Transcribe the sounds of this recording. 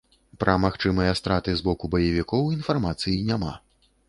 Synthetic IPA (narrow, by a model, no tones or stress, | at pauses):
pɾʔɐmaxt͡ʂɨmɨjɐst̪ɾat̪ɨzbɔkubɐjɐvʲikɔwinfarmat̪sɨjinʲama̰